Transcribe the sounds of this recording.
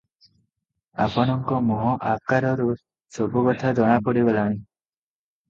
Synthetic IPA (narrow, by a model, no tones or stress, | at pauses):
a̰pɔɽ̃ɔŋkɔmɔɦɔʔakaɾɔɾu | sobɔɡɔt̪ʰad͡ʒɔɽ̃apɔɽibalaɽ̃i